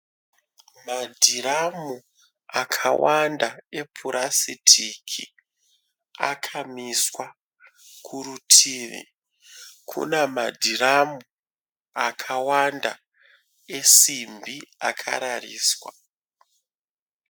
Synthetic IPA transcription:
madʱiramu | akʰawʔandaepʰuɾʔasitʰikʰḭ | a̰kʰamiswa | kʰuɾutʰiːʋḭ | kʰṵnemadʱiramu | akʰawanda | e̞simbiakʰa̰ɾariːswa

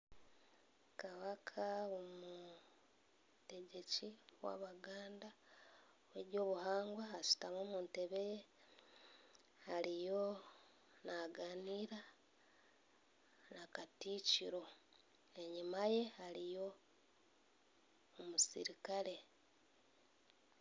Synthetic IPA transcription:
kaβakʰaomu | te̞ɟe̞ciwa̰βaɡaːnda | wḛɾjo̞ːβuhaːŋɡwaasi̥tamoːmuːnte̞βe̞je̞ | haɾijo̞ | naɡaniɾa | nakatiːciɾo̞ | e̞ɲimaje̞haɾijo̞ | musḭɾikale̞

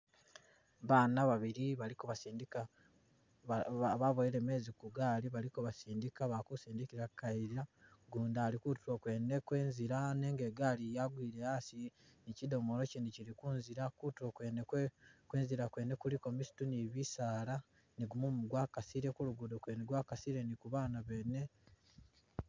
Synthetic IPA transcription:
βaːnaβaβiɾiβalikuβasiːndika | βaβojeɾe̞me̞ːzikuɡaːliβalikoβasiːndikaβakusiːndikiɾakaiɾaɡuːndaːlikuto̞kwe̞ːne̞kwe̞ːnziɾane̞ːŋɡe̞ɡaːlijaɡwiːɾe̞asinicido̞mo̞ɾociniciɾikuːnziɾakutokwe̞nekekwe̞ːnziɾakwe̞ːne̞kuliko̞misi̥tuniβisaːla | niɡumumuɡwakasiɾe̞kuluɡudokwe̞ːneɡwaːkasiɾe̞nikuβaːnaβe̞ːne̞

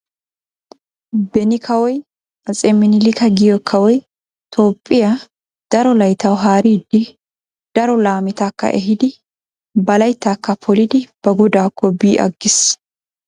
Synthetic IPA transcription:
bɛnɪkʰɐwɔj | ɐt͡sʼɛmːɪnɪlɪkɐɡɪjɔkʰːɐwɔj | t̪ʰoːpʼːɪjɐ | d̪̥ɐɾɔlɐjt̪ɐwɦaːɾiːd̪ɪ | d̪̥ɐɾɔlaːmɪt̪aːkːɐ̰ʔɛɦɪd̪ɪ | bɐlɐjt̪ːaːkːɐpʰɔlɪd̪ɪb̥ɐɡɔd̪aːkːɔbiːʔɐ̰ɡːɪs

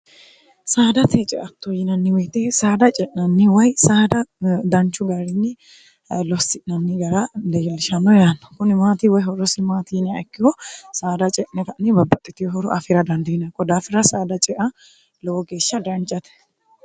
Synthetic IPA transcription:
saːd̪ɐt̪ʰɛt͡ʃʼɛ̰ʔɐt̪ːɔjɪnɐnːɪwɛːt̪esaːd̪ɐt͡ʃʼɛʔnɐnːɪwɐjsaːd̪ɐd̪ɐnt͡ʃːʊɡɐɾɪnːɪ | lɔsɪʔnɐnːɪɡɐɾɐlɛd͡ʒɛlːɪʃɐnːɔjaːnːɔ̥kʊnɪmaːt̪iwɔjɦɔɾɔsɪmaːt̪iːnɪɐɪkːɪhɔsaːd̪ɐt͡ʃʼɛʔnɛk̪ɐʔnɪbɐbːɐt̪ʼːɪt̪ːɪjɔɦɔɾɔʔɐfɪɾɐd̪ɐnd̪ɪnɐkːɔd̪aːfɪɾɐsaːd̪ɐt͡ʃʼɛʔɐ | lɛwɔɡeːʃːɐd̪ɐnt͡ʃʼɐt̪ɛ̥

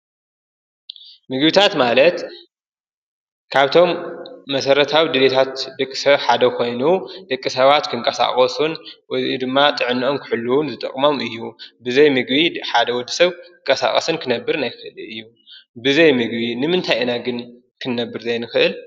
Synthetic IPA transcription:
mɨɡbit̪ʰat̪malɐt̪ | kʰaβt̪ʰo̞mːɐsɐɾɐt̪ʰawid̪ɨlet̪ʰat̪d̪ɐkʼːi̥sɐβħad̪ɐkʰo̞jnud̪̥ɐkʼːisɐβat̪kʰɨŋkʼɐsa̰χʼosunwɔjʔud̪ɨmːat̪ʼɨʕɨnːiʔo̞mkʰɨħɨlːuwnzɨt̪ʼɐ̰kʼmo̞mɨjːubɨzɐjmɨɡbiħad̪ɐwɔd̪ːɨsɐβɨkʼɐsa̰χʼɐsɨnkʰɨnɐbːɨɾnajxɨʔɨlɨɨjːu | bɨzɐjmɨɡbinɨmɨnt̪ʰajʔɨnaɡɨn | kʰɨnːɐbːɨɾzɐjnɨxɨʔɨl

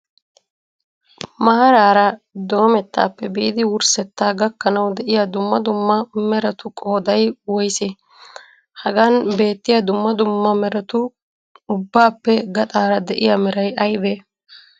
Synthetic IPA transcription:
maːɾaːɾɐd̪o̞ːmɛt̪ːa̰ːpːɛbiːd̪ɪwʊɾsɛt̪ːaːɡɐkːɐnɐwd̪ɛʔɪjad̪ʊmːɐd̪ʊmːɐmɛɾɐt̪ʊkʼoːd̪ɐjwɔjse | hɐɡɐnbe̞ːt̪ːɪjɐd̪ʊmːɐd̪ʊmːɐmɛɾɔt̪ʊ | ʊbːaːpːɛɡɐt̪ʼaːɾɐd̪ɛʔɪjamɛɾɐjʔɐjbeː

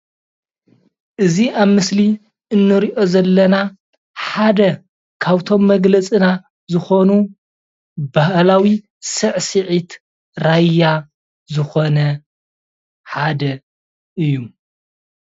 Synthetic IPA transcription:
ʔɨziʔaβmɨsli | ʔɨnːɨɾiʔo̞zɐlːɐna | ħħad̪ɐ | kʰaβt̪ʰo̞mːɐɡlɐt͡sʼina | zɨxo̞nu | bahlawi | sɨʕsɨʕit̪ | ɾajːa | zɨxo̞nɐ | ħad̪ɐ | ʔɨjːu

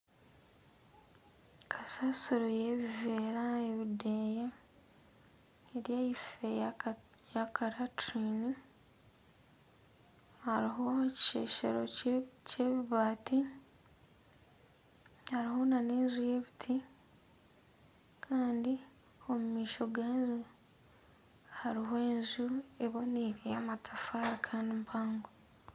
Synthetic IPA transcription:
kʰasasuɾoje̞βive̞ːɾaeβideja | eɾjajife | jakaɾatɾiːni | aɾiɦoeci̥ʃḛːʃḛɾoceβiβaːti | haɾiho̞naneːnzujeːβitʰi | kʰaːndi | o̞mumiːʃo̞ɡeːnzu | haɾiɦoenzueβo̞niɾejamatʰafaɾakʰaːndimpʰaːŋɡo

